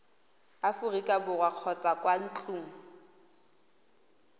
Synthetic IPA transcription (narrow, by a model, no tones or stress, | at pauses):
afʊrikʼabʊrwaq͡χʰɔt͡sʼakʼwan̩t͡ɬʼuːŋ̩